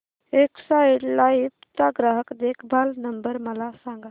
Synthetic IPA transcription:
eksaeɽlaipt̪aɡɾaɦəkd̪ekʰbʱalnəmbəɾməlasãŋɡa

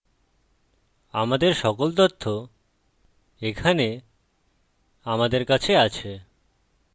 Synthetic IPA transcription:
amad̪eɾʃɔkolt̪ot̪ʰːo | ekʰane | amad̪eɾkat͡ɕʰeat͡ɕʰe

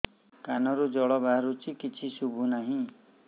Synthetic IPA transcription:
kanɔɾud͡ʒɔɭɔbaɾut͡ʃʰikit͡ʃʰisubʱunaɦĩ

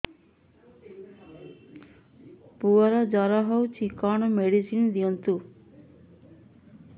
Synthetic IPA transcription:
puɔɾɔd͡ʒɔɾɔɦɔwt͡ʃʰikɔɳ̃ɔmeɽisind̪iɔnt̪u

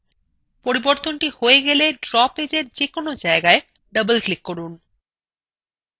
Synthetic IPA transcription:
poɾiboɾt̪onʈihoeɡeleɖɾɔped͡ʑeɾd͡ʑekonod͡ʑaeɡae | ɖəbəlklikːoɾun

